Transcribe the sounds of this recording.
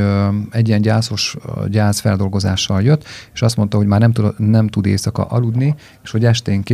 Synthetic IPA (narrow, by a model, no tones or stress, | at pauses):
ɛɟːijɛnɟaːso̞ʃɟaːzfɛld̪o̞lɡo̞zaːʃːɒljø̞t̪ːeːʃɒst̪mo̞nt̪ɒɦo̞ɟmaːrnɛmtnɛmt̪ud̪eːsɒkɒ̰ʔɒlud̪ni | eːʃho̞ɟɛʃt̪eːŋke